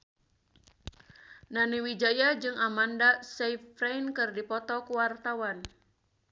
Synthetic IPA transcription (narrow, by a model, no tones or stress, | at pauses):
naniwid͡ʒajad͡ʒɨŋamandasejfrejnkɨrdipɔt̪ɔkuwart̪awan